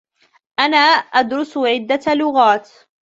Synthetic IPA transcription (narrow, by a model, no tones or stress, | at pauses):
ʔanaːʔad̪ɾʊsʕɪd̪ːalʊɣaːt̪